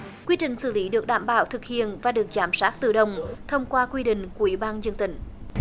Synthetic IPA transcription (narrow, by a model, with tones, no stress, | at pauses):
kwi˧t͡ɕï˨˩ŋ̟sɨ̰˧˩li˨˦ɗɨ˨˩ək̚ɗaː˧˩mɓa̰ː˧˩wt̪ʰɨ˨˩k̚hḭ˧˨ənvaː˨˩ɗɨ˨˩ək̚zaː˨˩msaː˦˥t̚t̪ɨ˧˩ɗə˧˩wŋ͡mt̪ʰə˧wŋ͡mkwaː˧kwi˧ɗḭ̈˧˨ŋ̟ku˧˩əʔi˧˦ɓaː˧nzə˧ŋt̪ï˧˨˩ŋ̟